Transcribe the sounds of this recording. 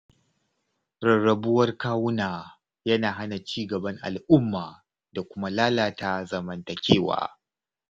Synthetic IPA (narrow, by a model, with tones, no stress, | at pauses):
ɾɐ˨ɽɐ˨bʊ˦wɐ˦rkaː˦wʊ˦naː˨ | jɐ˦naː˨ɦa˦na˨t͡ʃiː˦˨ɡɐ˨bɐ˦ŋʔa̰˨lʔʊ˦mːaː˨ | da˨kʷʊ˦ma˦laː˦laː˨ta˦zɐ˨mɐ˨ntɐ˨kʲeː˦˨wa̰ː˨˦